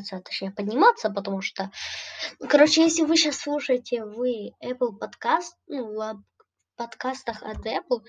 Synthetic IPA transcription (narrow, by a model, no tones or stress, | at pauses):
t̪sət̪ɐ̥t͡ɕnʲejəpədʲnʲɪmat̪sːəpət̪ɐmuʂt̪o | kɐɾot͡ɕɪjesʲlʲɪvɨɕasːlˠuʂəjɪtʲɪvɨɛplˠpɐt̪kast̪̚nuvɐb | pɐt̪kast̪əxɐ̰t̪ɛplˠ